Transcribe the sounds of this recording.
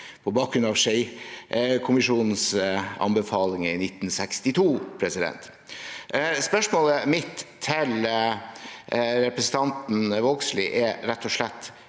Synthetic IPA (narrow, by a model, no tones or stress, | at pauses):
pʰɔbɑːk̚ɡɾʉnɑʋʂɛɪ | kʰʊmɪʂuːnn̩sɑ̰nbəfɑːlɪŋəɪnɪt̪ːn̩sɛkst̪ɪt̪ʰuːpʰɾɛsɪd̪ɛ̰nt̪ | spœʂmoːləmɪt̪ʰːɪl | ɾɛpɾəsn̩t̪ʰɑnt̪n̩ʋoɡslɪʔɛɾɾɛt̪ʰːɔʂlɛt̪ː